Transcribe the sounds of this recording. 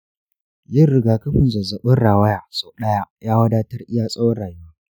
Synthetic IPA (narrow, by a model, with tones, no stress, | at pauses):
jɪ˦rɾɪ˨ɡaː˨kɐ˦ɸɪ˨nzɐ˨zɐ˨ɓɐ˦nɽaː˨wɐ˦jaː˨soː˨ɗɐ˦ja˦jʔaː˦wɐ˦daː˦tɐ˦rʔɪ˦jaː˦sʼɐ˦wɐ˦rɽaː˨jʊ˦waː˦